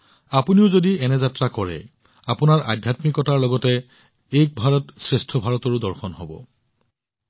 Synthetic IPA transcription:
apuniʊzodiɛnɛzatɹakɔɹɛ̰ | apunaɹʔa̰dʱjatmikɔtaɹlɔɡɔtɛ | ejk̚bʱaɹɔtsɹestʰɔbʱaɹɔtɔɹudɔɹxɔnɦɔbɔ̰

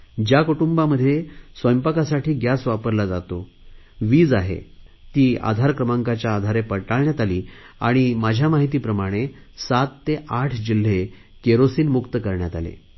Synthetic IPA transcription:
d͡ʑjakoʈumbaməd̪ʱːjesʋəjmpəkasaʈʰiːɡjasʋapəɾlad͡za̰t̪o | ʋiːd͡zaɦḛt̪iːa̰d̪ʱaɾkɾəmaŋkat͡ɕjaːd̪ʱaɾepəɽʈaɭɳjat̪aliː | a̰ɽ̃imad͡ʑʱjamaɦit̪iːpɾəmaɽ̃e | sat̪ːeʔaʈʰd͡ʑil̤ːe | keɾosiːnmukt̪əkəɾɳjat̪a̰lḛ

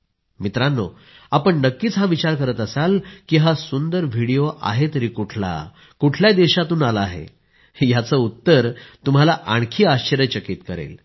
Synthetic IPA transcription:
mit̪ɾanːo̰ | apəɳnəkːiːt͡sɦaʋit͡ɕaɾkəɾət̪əsalkiɦasund̪əɾʋʱiɽijoʔa̰ɦet̪əɾiːkuʈʰla̰ | kuʈʰljad̪eɕat̪uːnaləːɦḛ | jat͡səut̪ːəɾt̪um̤alaʔaɳkʰiːaɕəɾət͡ɕəkiːt̪kəɾḛl

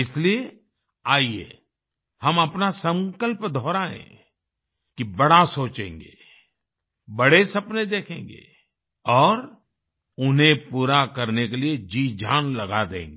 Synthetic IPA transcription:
ɪslie | aːiḛ | hɐmɐpnasə̃ŋkəlpd̪ʱɔːɾaɦɛ̰̃ | kibɐɽ̤asoːt͡ʃḛ̃ːŋɡḛː | bɐɽesɐpned̪eːkʰḛ̃ːŋɡḛː | ɔːɾ | ʊnɦẽpuːɾakɐɾnekelied͡ʒiːd͡ʒʱaːnlɐɡad̪ḛ̃ːŋɡe

